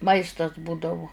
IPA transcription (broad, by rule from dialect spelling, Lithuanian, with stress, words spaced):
ˈmɐɪstɐs ˈbuːdɐʋʊ